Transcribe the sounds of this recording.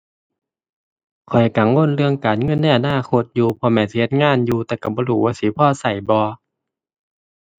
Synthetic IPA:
kʰɔ˨˩jka˨˩˦ŋwo˧˥˨nɾɯ˧əŋkaː˨˩nŋɤ˧˥˨nːa˧˨ʔa˨˧˨naː˧˥˨kʰo˧˦t̪̚juː˧pʰɔ˧mɛː˧˩nsi˧he˧t̪̚ŋaː˧˥˨njuː˧t̪ɛː˧˩ka˧˩bɔː˧˦luː˨˩waː˧˩siː˨˦pʰɔː˧˨sa˨˩jbɔː˧

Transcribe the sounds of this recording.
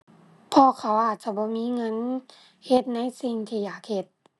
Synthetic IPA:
pʰɔː˧kʰa˧˩wʔaː˨˩t̪̚t͡ɕa˧˩bɔː˧˦miː˧˥˨ŋɤ˧˥˨n | he˧˦t̪̚na˧˥˨jsi˧ŋt̪ʰiː˧˩jaː˨˩k̚he˧˩t̪̚

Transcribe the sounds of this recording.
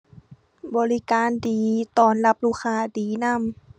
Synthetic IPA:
bɔː˨˧li˦kaː˨˧˦ndiː˨˦t̪ɔː˧˩nla˧p̚luː˧˩kʰaː˧˩diː˨˦na˧˥˨m

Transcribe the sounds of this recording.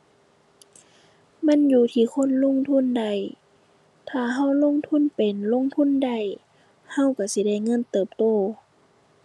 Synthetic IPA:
ma˧˥˨njuː˧˩t̪ʰiː˧˩˨kʰo˧˥˨nlo˧˥˨ŋt̪ʰu˧˥˨nda˧˩˨j | t̪ʰaː˧˩ɦa˧˥˨wlo˧˥˨ŋt̪ʰu˧˥˨npe˨nlo˧˥˨ŋt̪ʰu˧˥˨nda˧˩j | ha˧˥˨wka˧˩si˧˦da˧˩˨jŋɤ˧˥˨nt̪ɤː˨˩p̚t̪oː˧˩

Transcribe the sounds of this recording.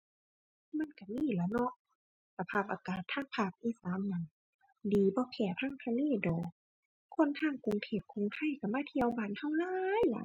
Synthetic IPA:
ma˧˥˨nka˧˩miː˧˥˨la˧˩nɔ˧˦ʔ | sa˧pʰaː˧˩p̚ʔaː˧kaː˨˩t̪ʰːaː˧˥˨ŋpʰaː˧˩p̚ʔiː˧˨slaː˨˧˦mna˧˨n | diː˨˦bɔː˧˦kʰɛː˧˩p̪ʰaː˧˥˨ŋt̪ʰa˧neː˧˥˨dɔː˨˩ | kʰo˧˥˨nt̪ʰaː˧˥˨ŋku˨ŋt̪ʰeː˧˩p̚kʰo˧˨ŋt̪ʰa˧˥˨jka˧˩maː˧˥˨t̪ʰi˧˨ə˧wbaː˨˩˨nha˧˩˨wlaː˧˨jla̰˧˦

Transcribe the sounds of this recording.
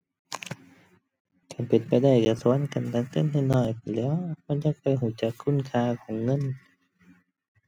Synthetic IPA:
kaː˧˩npe˨˩npa˨jda˧˩jka˧˩su˧˦ə˨nka˨˩nt̪aː˧ŋt̪e˧˥˨nha˧˩jnɔː˧˩jpa˨˩jlɛː˧˥˨wma˧˥˨nt͡ɕa˧˥k̚pa˨˧˩jɦuː˧˩t͡ɕa˨˩kʰːu˧˥˨nkʰaː˧kʰɔː˨˦ŋːɤ˧˥˨n

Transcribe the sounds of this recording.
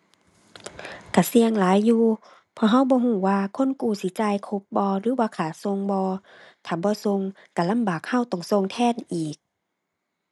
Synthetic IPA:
ka˧˩si˧əŋlaː˨˦jːuː˧ | pʰɔː˧ɦa˧˩˨wbɔː˧˦ɦuː˧˩waː˧kʰo˧˥˨nkuː˧˩si˧˦t͡ɕaː˧˨jkʰo˧˦p̚bɔː˧ɾɯː˨˦waː˧kʰaː˨˩so˧ŋbɔː˧ | t̪ʰaː˨˩bɔː˧˦so˧ŋ | ka˧˩la˧˥˨mbaː˨˩k̚ha˧˥˨wt̪ɔ˧˩ŋso˧˨ŋt̪ʰɛː˧˥˨nʔiː˨˩k̚

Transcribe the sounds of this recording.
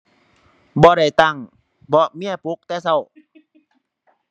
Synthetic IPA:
bɔː˧˦ɾa˧˩jt̪a˧˩˨ŋ | bɔː˧˦mi˧˥˨ɐ˨pu˧˦˥k̚t̪ɛː˧˥sa˧˨w

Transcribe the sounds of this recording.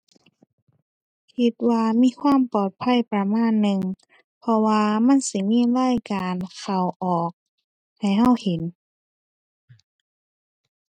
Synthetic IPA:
kʰi˧t̪̚waː˧miː˧˥˨kʰwaː˧˥˨mpɔː˨˩t̪̚pʰa˧˥˨jpɾa˧maː˧˥˨nːɯ˧ŋ | pʰɔ˧waː˧ma˧˥˨nsi˧˦miː˧˥˨laː˧˥˨jkaː˨nkʰa˧˩wʔɔː˨˩k̚ | ha˨˩jha˧˥˩whe˨˦n

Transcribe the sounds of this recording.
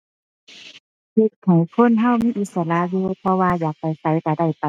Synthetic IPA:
he˧t̪̚ha˨˩jkʰo˧˥˨nɦa˧˥˨wmiː˧˥˨ʔi˧˥t̪̚sa˧˦la˧˨joː˧˨pʰɔ˧waː˧jaː˨˩k̚pa˨˩jsa˧˦jka˧˩da˧˩jpa˨

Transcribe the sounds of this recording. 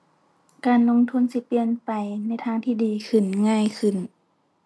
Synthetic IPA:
kaː˨˩nlo˧˥˨ŋt̪ʰu˧˥˨nsi˧pi˧ənpa˨jna˧˥jt̪ʰaː˧˥ŋt̪ʰiː˧˩diː˨kʰɯ˧˩nŋaː˧˥˨jkʰɯ˧˩n

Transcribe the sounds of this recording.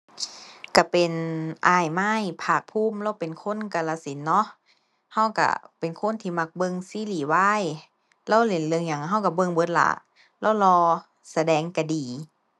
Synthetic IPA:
ka˧˩pe˨nʔaː˧˩jma˧˥˨jpʰaː˧˩k̚pʰuː˧˥˨mlɛː˧˥˨wpe˨nkʰo˧˥˨nka˧˩la˧si˨˦nːɔ˧˥ | ha˧˥˩wka̰˧˩pe˨nkʰo˧˥˨nt̪ʰiː˧ma˧˩k̚bɤ˧˨ŋsiː˧˥˨liː˨˩waː˧˥˨j | lɛː˧˥˨wle˨˩˦nlɯ˧əŋɲa˧˩ŋɦa˧˥˨wka˧˩bɤ˧˨ŋbɤ˧˥˦t̪̚la̰˧˩ | lɛː˧˥˩wlɔː˧ | sa˧dɛː˨˦ŋka˧˩diː˨˩

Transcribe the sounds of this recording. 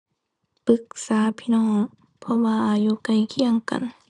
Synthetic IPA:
pɯ˧˦k̚saː˨˦pʰi˧nɔː˧˥˩ŋ | pʰɔ˧waː˧ʔaː˨˩juː˧˦ka˧˩jkʰi˧əŋka̰˨n

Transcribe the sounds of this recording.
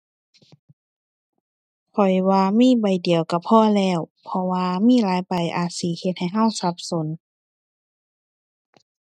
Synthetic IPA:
kʰɔ˨˩jwaː˧miː˧˥˨ba˨˩jdi˨˩əwka˧˩pʰɔː˧˥˨lɛː˧˩˨wpʰɔ˧waː˧miː˧˥˨laː˨˦jpa˨jʔa̰ː˨˩t̪̚siː˨˦he˧t̪̚ha˨˩jɦa˧˥˩wsa˧˦p̚so˨˦n

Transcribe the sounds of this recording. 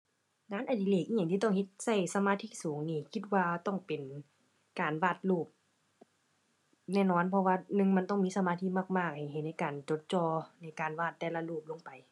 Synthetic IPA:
ŋaː˧˥˨nʔa˨˩diː˨leː˧˩k̚ʔiː˧˨ɲa˧˨ŋt̪iː˧t̪ɔ˧˥˩ŋhe˧t̪̚sa˧˩jsa˧maː˧˥t̪ʰiː˧˥˨suː˨˦ŋniː˧˨kʰi˧t̪̚waː˧t̪ɔ˧˥˩ŋpe˨n | kaː˨nwaː˧˩t̪̚luː˧˩p̚ | nɛː˧˨nɔː˧˥˨npʰɔ˧waː˧nɯ˧ŋma˧˥nt̪ɔ˧˥˩ŋmiː˧˥sa˧maː˧t̪ʰiː˧˥˨maː˧˩k̚maː˧˩k̚ha˨˩jɦnna˦˧˥jkaː˨˩nt͡ɕo˧˦t̪̚t͡ɕɔː˧na˧˥˩jkaː˨˩nwaː˧˩t̪ːɛː˧˩la˧luː˧˩p̚lo˧˥ŋpa˨j

